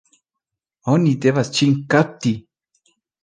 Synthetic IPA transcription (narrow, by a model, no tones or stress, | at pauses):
onid̪eβast͡ʃiŋkat̪i